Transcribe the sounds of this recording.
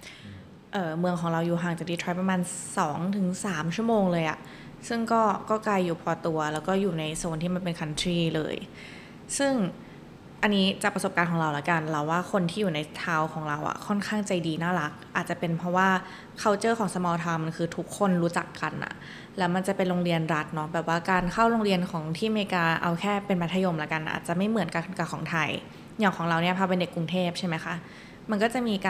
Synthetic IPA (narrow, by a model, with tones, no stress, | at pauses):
ʔɤː˨˩mɯ˧əŋkʰɔː˩˦ŋɾa˧wjuː˨˩ɦaː˨˩ŋt͡ɕa˨˩diː˧t̪ʰɾɔ˦˥pɾa˧maː˧nsɔː˩˦ŋt̪ʰɯ˨˩˦ŋsaː˩˦mt͡ɕʰu˥˩əmoː˧ŋlɤː˧jʔa̰˨˩ | sɯ˥˩ŋkɔː˥˩kɔː˥˩kla˧jːuː˨˩pʰɔː˧t̪u˧ɐlɛː˦˥wkɔː˥˩juː˨˩na˧jsu˨˩ənt̪ʰiː˥˩ma˧npe˧nkʰa˧nt̪ʰɾiː˥˩lɤ̰ː˧j | sɯ˥˩ŋ | ʔa˧nːiː˦˥t͡ɕaː˨˩k̚pɾa˧so˨˩p̚kaː˧nkʰɔː˩˦ŋɾa˧wla˨˩˦ka˧nla˧˩waː˥˩kʰo˧nt̪ʰiː˥˩juː˨˩na˧jt̪ʰaː˦˥wkʰɔː˩˦ŋɾa˧wʔa̰˨˩kʰɔ˥˩nkʰaː˥˩ŋt͡ɕa˧jdiː˧naː˥˩la˦˥k̚ʔaː˨˩t̪̚t͡ɕa˨˩pe˧npʰɾɔ˦˥waː˥˩ | kʰa˥˩wt͡ɕɤː˥˩kʰɔː˩˦ŋsa˧mɔː˧t̪ʰa˧wma˧nkʰɯː˧t̪ʰu˦˥kʰːo˧˥˩nɾuː˦˥t͡ɕa˨˩kːa̰˧nʔa̰˩ | lɛː˦˥wma˧nt͡ɕa˨˩pe˧nɾoː˧ŋɾi˧ənɾa˦˥t̪̚nɔ˦˥bɛː˨˩p̚waː˥˩kaː˧nkʰa˥˩wɾoː˧ŋɾi˧ənkʰɔː˩˦ŋt̪ʰiː˥˩meː˧kaː˧ʔa̰˧wkʰɛː˥˩pe˧npa˦˥t̪ʰa˧jo˧mlaː˨˦ka˧n˩ʔa̰ː˨˩t̪̚t͡ɕa˨˩ʔma˥˩jmɯ˩˦ənka˧˩ka˨˩kʰɔː˩˦t̪ʰa˧j | ɲaː˨˩ŋkʰɔː˩˦ɾa˧wni˥ɐpʰaː˧pe˧nde˨˩kːɾu˧ŋt̪ʰeː˥˩p̚t͡ɕʰa˥˩jma˦˥jxʰa˦˥ | ma˧nkɔː˥˩t͡ɕa˨˩ʔmiː˧kaː˧